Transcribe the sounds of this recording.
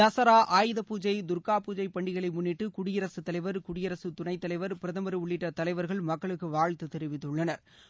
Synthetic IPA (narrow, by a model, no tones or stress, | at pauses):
dɐsɐɾaːʔaːjɯðɐpuːd͡ʒɐɪd̪ʊɾkaːpuːd͡ʒɐɪpɐɳɖɪɣɐɭɐɪmʊnːɪʈːɯkʊɽɪjɐɾɐsɯt̪ːɐlɐɪʋɐɾkʊɽɪjɐɾɐsɯt̪ʊɳɐɪt̪ːɐlɐɪʋɐɾpɪɾɐðɐmɐɾɯʊɭːɪʈːɐt̪ɐlɐɪʋɐɾɣɐɭmɐkːɐɭɯkːɯʋaːɻt̪ɯt̪ɛɾɪʋɪt̪ːɯɭːɐnɐɾ